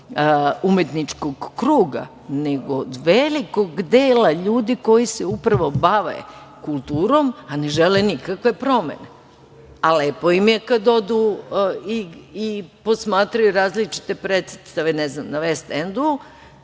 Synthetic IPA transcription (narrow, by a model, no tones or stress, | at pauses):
umet̪nit͡ʃkoɡːɾuːɡa̰ | neɡod̪ʋeliko̞ɡd̪eːlaʎuːd̪iko̞jiseupɾaʋo̞baʋḛ | kulˠt̪uːɾo̞maneʒelenikakʋe̞pɾo̞mḛne | alepo̞jimjekad̪od̪u | iipo̞smaːt̪ɾajuɾaːzlit͡ʃi̥t̪epɾet̪set̪st̪aʋenɛznamnaʋest̪end̪uu